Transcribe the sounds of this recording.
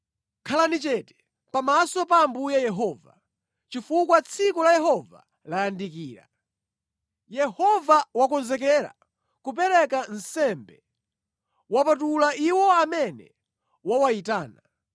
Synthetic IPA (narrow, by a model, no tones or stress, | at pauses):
kʰalanit͡ʃɛtɛ̥ | pamasɔpaːmbujajɛɦɔːva̰ | t͡ʃifukwat͡sʰikulajɛɦɔva̰ | lajandikiːɾa̰ | jɛhɔvawakɔnzɛk̬ɛɾa̰ | kup̬ɛɾɛkan̩sɛmbɛ | wapatulaʔiwɔamɛnɛ̰ | wawaitaːna